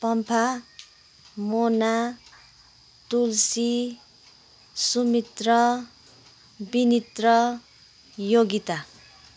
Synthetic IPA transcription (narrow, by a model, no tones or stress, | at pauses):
pʌmpʰa | mona | t̪ulsi | sumit̪rʌ | binit̪rʌ | joɡit̪a